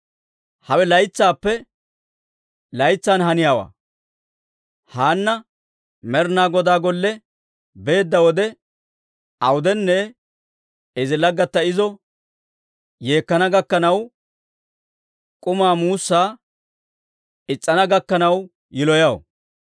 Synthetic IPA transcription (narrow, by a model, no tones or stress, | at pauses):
hɐwɛlɐjt͡sːaːpːɛ | lɐjt͡sːaːnhɐnɪjaːwa̰ː | haːnːɐ | mɛɾnaːɡɔd̪aːɡɔlːɛ | be̞ːd̪ːɐwɔd̪ɛ | ɐwʊd̪ɛnːɛ | ɛzɪlɐɡːɐt̪ːɐɪzɔ | je̞ːkːɐnɐɡɐkːɐnɐw | kʼʊmaːmuːsːaː | ɪt͡sʼːɐnɐɡɐkːɐnɐw | jɪlɔjɐwɔ̰